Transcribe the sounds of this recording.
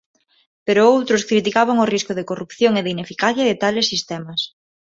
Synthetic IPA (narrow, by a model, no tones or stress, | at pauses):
peɾoowt̪ɾʊskɾit̪̬ikaβaŋoriskʊðɪkorupθjoŋeðɪinefikaθjɐðɪt̪alɪsːist̪ɛmɐs